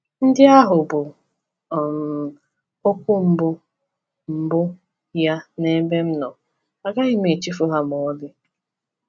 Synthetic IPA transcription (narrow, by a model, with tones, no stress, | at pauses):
n̩˦dɪ˦a˦ɦʊ˨bʊ˨ | m˨ | o˦kʷʊ˦m̩˨bʊ˦ | m̩˨bʊ˦ | ja˦ne˦me˦m̩˦nɔ˨ | a˨ɡa˦ɦɪ˦me˨t͡ʃi˦fʊ˦ɦa˦m˨ɔ˨˦dɪ˦